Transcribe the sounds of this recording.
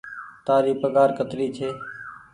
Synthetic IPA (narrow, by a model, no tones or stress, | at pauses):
t̪aːɾiːpəɠaːɾkət̪ɾiːt͡ʃʰeː